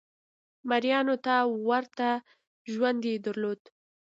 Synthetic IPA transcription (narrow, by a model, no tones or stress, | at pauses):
maɾjɑnot̪awaɾt̪a | ʒwand̪ed̪əɾlod̪